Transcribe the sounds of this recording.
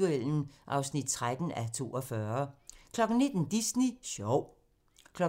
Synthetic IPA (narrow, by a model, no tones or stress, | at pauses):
uel̰n̩ʔɑ̈ʊsnid̥̚t͡sʰʁad̥n̩æt͡sʰo̝̰ːɒ̽fɶɐkʰlɒ̽ɡ̥n̩ne̝d̥n̩d̥isniɕɒʊ̰ | kʰlɒ